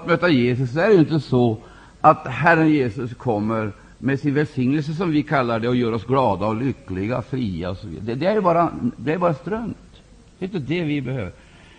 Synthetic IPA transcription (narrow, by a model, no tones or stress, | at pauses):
at̪møːt̪ajeːs̬ɵs̬ːɔæɾɛjɪnt̪əsɔ | at̪hæɾənjeːsɵskʰɔmːəɾ | mɛsɪnvɛlsɪŋnəls̬əsɔmvɪkʰalːaɖɛɔjøːɾɔsɡlɑːd̪aɔlʏkːlɪɡa̰fɾiːa̰ɔsɔvḭːd̪d̪ɛd̪ɛæɾjɵbɑːɾad̪ɛæɾjbɑːɾast̪ɾœmt̪ | d̪̥ɛjʏnt̪əd̪ɛvɪbɛhøːvəɾ